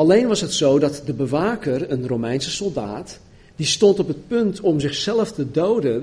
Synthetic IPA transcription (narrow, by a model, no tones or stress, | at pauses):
ɑlejnʋɑsɦətsowdɑtdəbəʋaːkərənromɛjnsəsɔlˠda̰ːt | d̥istɔntɔpət̚pɵntʰɔmzɪxsɛləftədowdən